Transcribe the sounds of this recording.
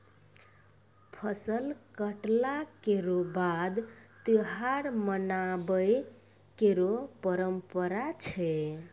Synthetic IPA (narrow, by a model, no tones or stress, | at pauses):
pʰəsəlkəʈlakeɾobad̪t̪iɦaɾmənabəj | keɾopəɾəmpəɾat͡ʃʰɛ